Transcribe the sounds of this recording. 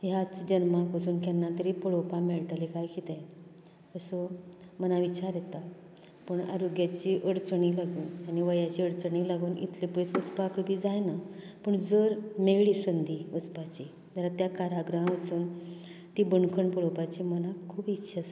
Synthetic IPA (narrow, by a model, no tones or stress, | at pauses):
jat͡sd͡ʑənmakʋəsuːnkjanːat̪əɾipəɭopameɭʈəlikajkit̪ɛ̃ | əso | mənaʋit͡ɕaɾjet̪a | pəɳa̰ɾoɡjat͡ɕiʔəɽt͡sɳilaɡuːnaniʋəjat͡ɕiːəɽt͡səɳiːlaɡuːnʔḭt̪ʰlepəjt͡səspakəbʱiːd͡zajnapəɳd͡zəɾmeɭɭiːsənd̪ʱiːʋəspat͡ɕi | d͡zaɾat̪jakaɾaɡɾɦãʋət͡suːnt̪iːbəɳkʰəɳpɔɭopat͡ɕiːmənakʰuːbitːɕʰas